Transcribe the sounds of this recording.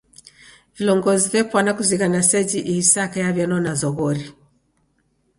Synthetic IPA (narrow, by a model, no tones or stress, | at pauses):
vilɔŋɡɔzivɛpwanakuziɣanasɛd͡ʒiʔiisakajavjanɔnazɔɣɔɾi